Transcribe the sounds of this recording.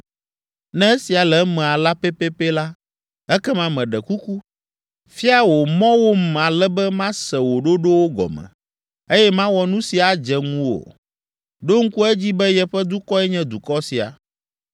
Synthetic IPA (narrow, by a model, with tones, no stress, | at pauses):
nɛ̃˦e˦si˨a˨lɛ˨mɛ̃˨a˨la˦pɛ˦pe˦pɛ˦la˦ | ɛ˦kɛ˦mã˦mɛ̃˨ɖɛ˨ku˦ku˦ | fi˦a˦wo˨mɔ̃˦wo˦m̩˨a˨lɛ˦bɛ˦mã˦sɛ˨wo˨ɖo˦ɖo˦wo˦ɡɔ̰˨mɛ̰̃˨ | e˦jɛ˦mã˦wɔ˨nũ˦si˨a˨d͡ʒɛ˨ŋũ˦wo̰˨ | ɖo˦ŋ̩˦ku˦ɛ˦d͡ʑi˦bɛ˦jɛ˨ɸɛ˦d̪u˦kɔ˦ɛ˦ɲɛ̃˦d̪u˨kɔ˦si˨a̰˨